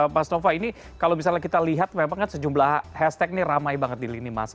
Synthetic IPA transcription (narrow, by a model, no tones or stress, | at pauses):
masnofaini | kalomis̬alɲakit̪aliɦat̪̚memaŋkansəd͡ʒumlahhɛst̪ɛk̚niramajbaŋət̪̚dilinima̰sa